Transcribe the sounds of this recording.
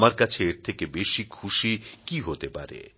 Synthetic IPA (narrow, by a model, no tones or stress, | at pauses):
maɾkat͡ɕʰeeɾt̪ʰekebeʃikʰuʃikiɦot̪epa̰ɾḛ